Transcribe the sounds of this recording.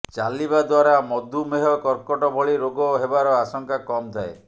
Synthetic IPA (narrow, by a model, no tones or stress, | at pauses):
t͡ʃalibad̪waɾamɔd̪umeɦɔkɔɾkɔʈɔbʱɔɭiɾoɡɔɦebaɾɔasɔŋkakɔmt̪ʰae